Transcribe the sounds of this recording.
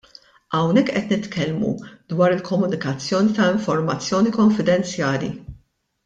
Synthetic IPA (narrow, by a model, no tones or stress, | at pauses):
ʔɐwnɛkːʔɛt̪nɪt̪kɛlmṵd̪wɐːɾɪlkɔmʊnɪkɐt͡sːjɔːnit̪ɐɪɱfɔɾmɐt͡sːjɔːnikɔɱfɪd̪ɛnt͡sjɐːlḭ